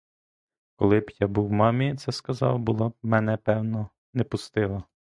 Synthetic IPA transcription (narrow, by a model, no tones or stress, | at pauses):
kɔlˠɪbjabuwmɑmʲit̪sɛskɐzɑ̰wbʊlˠɔb̚mɛnɛpɛwnɔ | nɛpʊst̪ɪlˠɐ